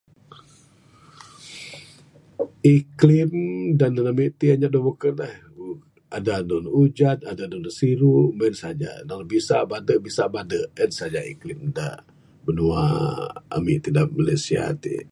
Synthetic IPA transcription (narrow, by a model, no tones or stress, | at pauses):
iklimdannamiʔt̪iaɲaʔdobukənah | adanɔnud͡ʒanadanɔnsiɾumɛnsad͡ʒa̰naŋbisabadəʔbisabadəʔɛnsad͡ʒaḭklimda̰ʔ | bənua̰ | a̰mḭʔt̪idaʔmalasia̰t̪ḭ